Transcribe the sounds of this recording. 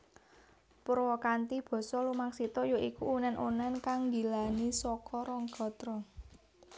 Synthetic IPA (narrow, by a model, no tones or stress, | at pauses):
pərwɔkant̪ib̥ɔ̤sɔlumaŋsit̪ɔjoʔikuːnɛnʔunɛnkaŋɡilanisɔkɔɾɔŋɡ̥ɔ̤t̪ɾɔ